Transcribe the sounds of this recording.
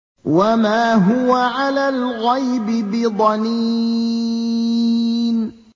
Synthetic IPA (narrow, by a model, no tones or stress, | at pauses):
wamaːɦʊwaʕalaːlɣajbɪbɪd̪ˤɑni | n